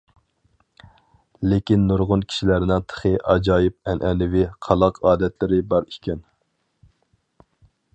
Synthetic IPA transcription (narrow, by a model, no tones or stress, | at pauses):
lekʲinːuɾʁʊnkʲʰi̥ʃilæɾɪnɪŋt̪ʰə̥χəʔɑd͡ʒɑːjɪp̚ɛnʔɛnɪvɪqʰɑlˠɑqʰɑːd̪ɛt̪lɪɾɪbɑɾikʲɛn